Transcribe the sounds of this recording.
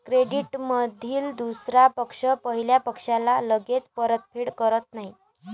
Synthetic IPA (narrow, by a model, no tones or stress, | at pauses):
kɾeɽiʈməd̪ʱiːld̪usɾapəkʂəpəɦiljapəkʂalaləɡet͡spəɾət̪̚pʰiːɽkəɾət̪naɦi